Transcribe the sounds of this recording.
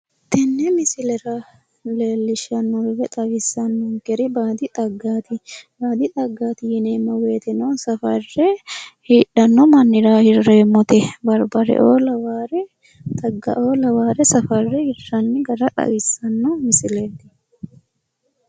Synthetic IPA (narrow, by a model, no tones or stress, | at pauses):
t̪ɛnːɛmɪsɪlɛɾɐ | leːlːɪʃːɐnːɔbɛbɛt̪ʼɐɡɪsːɐnːɔŋkɛɾɪbaːd̪ɪt̪ʼɐɡːaːt̪ɪbaːd̪ɪt̪ʼɐɡːaːt̪ɪjɪneːmːɔwe̞ːt̪ɪnosɐfɐrːɛhiːᶑɐnːɔmɐnːɪɾaːhɪrːeːmːɔt̪ɛbɐɾbɐɾɛ̰ʔoːlɐwaːɾɛ | t̪ɐɡːɐ̰ʔoːlɐwaːɾɛsɐfɐrːɛhɪrːɐnːɪɡɐɾɐᶑ̪ɐ̰wɪsːɐnːɔmɪsɪlet̪ɪ̥